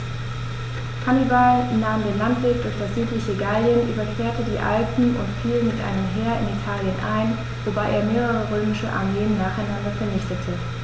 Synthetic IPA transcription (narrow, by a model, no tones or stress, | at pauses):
kʰanibalnaːmdeːnlantv̥eːk̚d̥ʊɐçd̥asz̥yːtlɪçəɡaljənʔy̰ːbɐkv̥eːɐtədiːʔa̰lpn̩ʊ̰ntfiːlmɪtʔa̰ɪnəmɦeːɐɪ̰nitʰaːljənʔa̰ɪn | vobaɪʔeːɐmeːʁ̞əʁ̞əʁøːmɪʃəʔa̰ɐmeːənːaːχaɪnandɐfɛɐnɪçtətʰə